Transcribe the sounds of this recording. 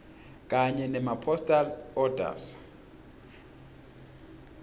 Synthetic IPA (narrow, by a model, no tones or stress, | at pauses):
kʼaɲɛnɛmapʰɔstʼalɔdʱa̰s